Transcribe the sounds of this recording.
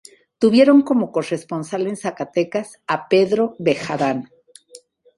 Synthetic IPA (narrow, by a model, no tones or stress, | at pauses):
t̪uβje̞ɾo̞ŋko̞mo̞ko̞re̞spo̞nsale̞nsakat̪e̞kas | ape̞ðɾo̞βe̞xaðan